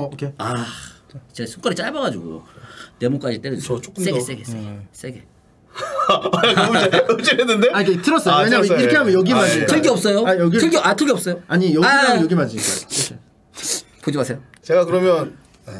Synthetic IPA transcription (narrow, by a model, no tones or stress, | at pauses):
kʰea | t͡ɕesʰuk͈ʌɾit͡ɕ͈aɭbaɡad͡ʑuɡṵjo̰ne̞muk͈ad͡ʑit͈eɾʌd͡ʑut͡ɕ͈ok͈ɯssees͈eɡes͈eɡes͈eɡe | eɯd͡ʑienːɯndeaɲikʰetʰɯɾʌs͈ʌjweɲaiɾʌkʰeɦamjʌnjʌɡimad͡ʑiɲitʰɯɡʰeʌp̚s͈ʌjojɡiɯɭɡeatʰɯɡeʌp̚s͈ʌjoaɲijʌaiamjʌɡimad͡ʑiɲik͈akʰe | pod͡ʑimasʰe̞jo | t͡ɕe̞ɡakɯɾʌmjʌn